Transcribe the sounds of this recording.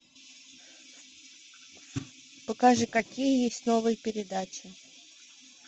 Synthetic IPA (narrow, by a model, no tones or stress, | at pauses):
pəkaʐɨkɐkʲijəjesʲtʲnovɨjəpʲɪɾʲɪd̪at͡ɕɪ